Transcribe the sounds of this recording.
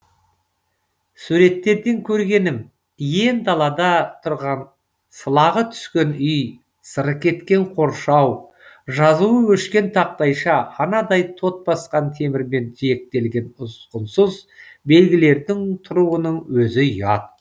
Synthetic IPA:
suɾe̞t̪ːe̞ɾd̪e̞ŋkʲʰɵɾɡʲe̞nɪm | je̞nd̪ɑlˠɑd̪ɑt̪ʰʊɾʁɑn | səlˠɑʁət̪ʰʏ̥skʲe̞nʏj | səɾəqkʲʰe̞t̪kʲe̞ɴqʰo̞ɾʃɑw | ʒɑzuwəwɵʃkʲe̞nt̪ʰɑq̚t̪ɑjʃɑhɑnɑd̪ɑjt̪ʰo̞t̪̚bɑsqɑnt̪ʰe̞mɪɾme̞nt̪ʰije̞k̚t̪e̞lɡʲe̞nʊsqənsʊzbe̞lɡʲɪle̞ɾd̪ɪŋt̪ʰʊɾuwənəɴwɵzɪjɑt̪̚

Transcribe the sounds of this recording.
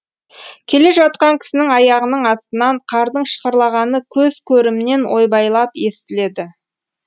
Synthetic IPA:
kʲʰe̞le̞ʒɑt̪̚qɑŋkʲʰɪ̥sɪnɪŋɑjɑʁənəɴɑst̪ənɑɴqʰɑɾd̪əɴʃə̥qəɾlˠɑʁɑnəkʲʰɵzkʲʰɵɾɪmɪne̞nwʔo̞jbɑjlˠɑpje̞st̪ɪle̞d̪ɪ

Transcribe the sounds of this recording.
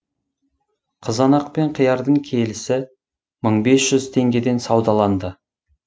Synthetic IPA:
qʰəzɑnɑqpe̞ɴqʰəjɑɾd̪əɴkʲʰe̞lɪsɪ | məɴbe̞sʒ̥ʏzt̪ʰe̞ŋɡʲe̞d̪e̞nsɑwd̪ɑlˠɑnd̪ə

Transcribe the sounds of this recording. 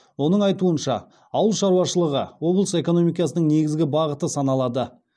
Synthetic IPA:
wo̞nəɴɑjt̪uənʃɑ̰ | ɑwəlˠʃɑɾuwɑʃəlˠəʁəwo̞blˠəse̞ko̞no̞mijkɑsənəŋne̞ɡʲɪzɡʲɪbɑʁət̪əsɑnɑlˠɑd̪ə

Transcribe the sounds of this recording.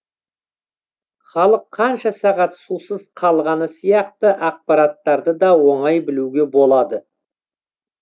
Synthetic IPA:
χɑlˠəqʰːɑnʃɑsɑʁɑt̪susəz̥qʰɑlˠʁɑnəsijɑq̚t̪əʔɑq̚pɑɾɑt̪ːɑɾd̪əd̪ɑwo̞ɴɑjbɪluɡʲe̞bo̞lˠɑd̪ə

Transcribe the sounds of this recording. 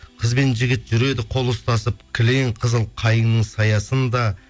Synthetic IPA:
qʰəzbe̞nʒɪɡʲɪt̪ʒ̥ʏɾe̞d̪ɪqʰo̞lˠʊst̪ɑsəp̚kʲʰɪle̞ŋqʰəzəlˠqʰɑjəŋnəɴsɑjɑsənd̪ɑ

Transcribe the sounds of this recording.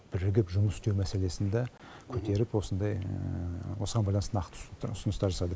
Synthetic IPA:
b̥ɪɾɪɡʲɪpʒʊməsst̪ewmæse̞le̞sɪnd̪e | kʲʰɵt̪e̞ɾɪpwo̞sənd̪ɑj | wo̞səʁɑnbɑjlˠɑnəst̪ənɑqt̪əʊsənəst̪ɑɾʒɑsɑd̪ə

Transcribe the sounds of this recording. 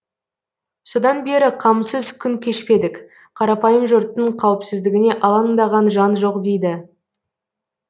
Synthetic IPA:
so̞d̪ɑnbe̞ɾɪqʰɑmsəzkʲʰʏŋkʲʰe̞ʃpe̞d̪ɪk | qʰɑɾɑpɑjəmʒʊɾt̪ːəɴqʰɑwɪpsɪzd̪ɪɡʲɪne̞ʔɑlˠɑnd̪ɑʁɑnʒɑnʒo̞qd̪ejd̪ɪ

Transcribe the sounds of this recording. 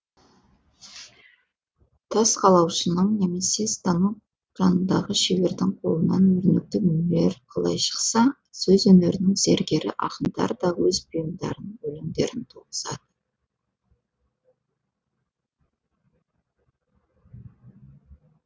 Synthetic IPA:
t̪ʰɑsqʰɑlˠɑwʃənəɴne̞me̞se̞st̪ɑnuk̚ | ʒɑnənd̪ɑʁəʃebe̞ɾd̪ɪŋqʰo̞̰lˠənɑnɵɾnɪk̚t̪ɪmʏmle̞ɾqʰɑlˠɑ̰jʃə̥qsɑ | sɵzwɵme̞ɾɪnɪŋze̞ɾɡʲe̞ɾɪ̰ʔɑqənd̪ɑ̰ɾd̪ɑwɵzbʊjəmd̪ɑ̰ɾənəŋwɵlɪmd̪e̞̰ɾɪnt̪ʰoʁəzɑ̰d̪̥ə

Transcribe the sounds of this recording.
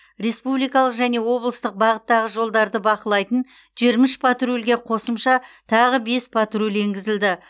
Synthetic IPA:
re̞spublijkɑlˠəqʒæne̞wo̞blˠəst̪əq̚bɑʁət̪ːɑʁəʒo̞lˠd̪ɑɾd̪əbɑqəlˠɑjt̪ən | ʒiɾmɪʃpʰat̪rulʲɡʲe̞qʰo̞səmʃɑt̪ʰɑʁəbe̞spʰat̪rulʲe̞ŋɡʲɪzɪld̪ɪ

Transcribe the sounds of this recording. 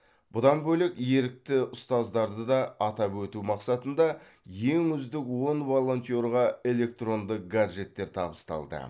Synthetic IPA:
b̥ʊd̪ɑnbɵlekje̞ɾɪk̚t̪ɪʊst̪ɑzd̪ɑɾd̪əd̪ɑɑt̪ɑpwɵt̪umɑqsɑt̪ənd̪ɑ | je̞ŋʏzd̪ɪkwo̞nvolˠo̞nt̪ʲijo̞ɾʁɑe̞le̞k̚t̪ro̞nd̪əq̚ɡaʒe̞t̪ːe̞ɾt̪ʰɑbəst̪ɑ̰lˠd̪ə̰

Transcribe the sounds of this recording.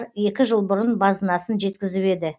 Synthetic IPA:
ɾje̞kʲɪʒəlˠbʊɾənbɑzənɑsənʒe̞t̪kʲɪzɪpe̞d̪ɪ

